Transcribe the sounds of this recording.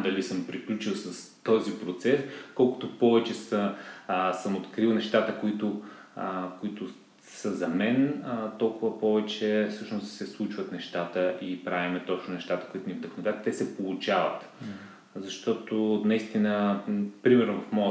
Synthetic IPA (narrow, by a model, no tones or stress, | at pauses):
d̪ɐlisəmpɾiklʲut͡ʃilˠsəst̪ɔzipɾot̪sɛskɔlˠkʊ̥t̪ʊpɔvɛt͡ʃɛsə | səmot̪kɾilˠnɛʃt̪at̪əkoit̪ʊ | kʊit̪ʊ | səzɐmɛnt̪ɔlˠkʊvəpɔvɛt͡ʃɛfsɤʃnʊst̪sɛslˠut͡ʃvɐt̪nɛʃt̪at̪əʔipɾavʲimɛt̪ɔt͡ʃnʊnɛʃt̪at̪ə̥koit̪ʊnʲivd̪əxnʊvɛt̪t̪ɛsɛpolˠut͡ʃavə̰t̪ | zɐʃt̪ɔt̪onɐist̪inəpɾimɛɾnʊvɐfmɔə